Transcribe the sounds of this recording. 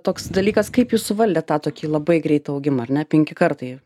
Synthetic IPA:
t̪oːksd̪ɐlʲiːkɐskɐɪpjuːssʊʋɐlʲd̪ʲɛtt̪ɑːt̪oːkʲiːlˠɐbɐɪɡɾʲɛɪt̪ɐɐʊɡʲɪmɐɐrnʲɛpʲɛŋʲkʲɪkɐɾt̪ɐɪ

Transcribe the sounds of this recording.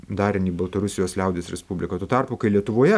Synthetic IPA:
d̪ɑːɾʲɪniːbɐlˠt̪ɐɾʊsʲɪjoːslʲɛʊd̪ʲeːsɾʲɛspubʲlʲɪkɐt̪uːt̪ɑrpʊkɐɪlʲiɛt̪ʊʋoːjɛ

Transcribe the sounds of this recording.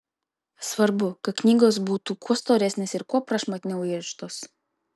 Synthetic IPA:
sʋɐɾbʊkɐt̪̚knʲiːɡoːs̬buːt̪uːkʰuɔst̪oːɾʲɛsʲnʲeːsɪɾkuɔpɾɐʃmɐt̪ʲnʲɛʊɪʃt̪oːs

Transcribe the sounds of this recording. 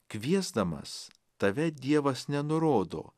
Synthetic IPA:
kʋʲiɛzd̪ɐmɐ̰s | t̪ɐʋʲɛd̪ʲiɛʋɐsnʲɛnʊɾoːd̪o̰ː

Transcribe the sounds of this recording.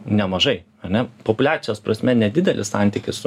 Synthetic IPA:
nʲɛmɐʒɐɪ | ɐɾnʲɛpopʊlʲæːt̪ʲɪjoːspɾɐsʲmʲɛnʲɛd̪ʲɪd̪ʲɛlʲɪ̰ssɑˑnʲt̪ʲɪkʲɪssʊ

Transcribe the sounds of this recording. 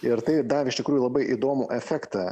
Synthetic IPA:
ɪɾt̪ɐɪd̪ɑːʋʲɪʃt̪ʲɪkɾuːjʊlˠɐbɐɪʔid̪oːmuʔɛfʲæːkt̪ɑ

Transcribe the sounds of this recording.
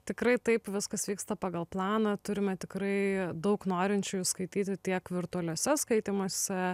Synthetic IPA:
t̪ʲɪkɾɐɪt̪ɐɪpʋʲɪskɐsʋʲiːkst̪ɐpɑːɡɐlˠplˠɑːnɐt̪ʊɾʲɪmʲɛt̪ʲɪkɾɐɪd̪ɐʊknoːɾʲɪnʲt͡ʃʲʊjuskɐɪt̪ʲiːt̪ʲɪt̪ʲiɛkʋʲɪɾt̪ʊɔlʲuɔːsʲɛskɐɪt̪ʲiːmoːsʲɛ

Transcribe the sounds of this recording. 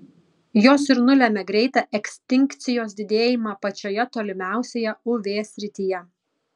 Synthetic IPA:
joːsɪɾnʊlʲæːmʲɛɡɾʲɛɪt̪ɑʔɛkʲsʲt̪ʲɪŋʲkt̪sʲɪjoːsd̪ʲɪd̪ʲeːjɪmɑpɐt͡ʃʲoːjɛt̪oːlʲɪmʲæˑʊsʲeːjɛʊʋʲeːsʲɾʲɪt̪ʲijɛ

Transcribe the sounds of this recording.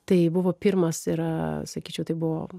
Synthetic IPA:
t̪ɐɪbʊʋoːpʲiɾmɐsɪɾsɐkʲiːt͡ʃʲɛʊt̪ɐɪbʊʋoː

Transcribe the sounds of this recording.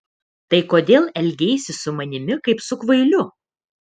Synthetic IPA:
t̪ɐɪkoːd̪ʲeːlˠɛlʲɡʲeːsʲɪsʊmɐnʲɪmʲɪkɐɪpsʊkʋɐɪlʲʊ

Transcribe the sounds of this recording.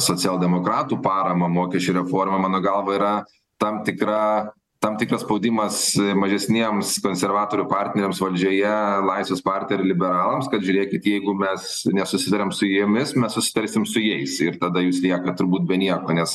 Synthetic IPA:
soːt͡sʲɛlˠd̪ʲɛmoːkɾɑːt̪uːpɑːɾɐmɐmoːkʲɛʃʲt͡ʃʲʊɾʲɛfoːrmɐmɑːnoːɡɐlˠʋɐiɾɐ | t̪ɐmt̪ʲɪkɾɑ | t̪ɐmt̪ʲɪkrɐsspɐʊd̪ʲɪmɐsmɐʒʲɛsʲnʲiɛmskoːnʲsʲɛrʋɑːt̪oːɾʲʊpɑrʲt̪ʲnʲɛɾʲeːmsʋɐlʲd͡ʒʲoːjɛlˠɐɪsʲʋʲeːspɑrʲt̪ʲnʲɛɾʲɪlʲɪbʲɛɾɑːlˠɐmskɐt̪ʒʲʉːɾʲeːkʲɪt̪jɛɪɡʊmʲɛs | nʲɛsʊsʲɪt̪ɐɾʲɛmsʊjimʲɪsmʲɛssʊsʲɪt̪ɐɾʲsʲɪmsʊjɛɪsɪɾt̪ɐd̪ɐjuːslʲiɛkɐt̪ʊɾbuːt̪̚bʲɛnʲiɛkoːnʲɛs

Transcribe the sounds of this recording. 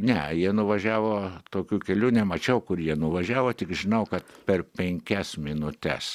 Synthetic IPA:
nʲɛjiɛnʊʋɐʒʲæːʋoːt̪oːkʲuːkʲɛlʲuːnʲɛmɐt͡ʃʲɛʊkʊrjiɛnʊʋɐʒʲæːʋoːt̪ʲɪkʒʲɪnɐʊkɐt̪pʲɛrpʲɛŋʲkʲɛsmʲɪnʊt̪ʲɛ̰s

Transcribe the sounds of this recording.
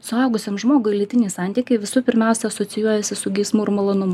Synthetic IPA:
sʊɑˑʊɡʊsʲemʒmoːɡʊɪlʲɪt̪ʲɪnʲɛɪsɑˑnʲt̪ʲiːkʲɛɪʋʲɪsʊpʲɪɾʲmʲɛˑʊsʲɛɐsoːsʲɪjuɔjɛsʲɪsʊɡʲɛɪsmuːɪɾmɐlˠoːnʊmʊ

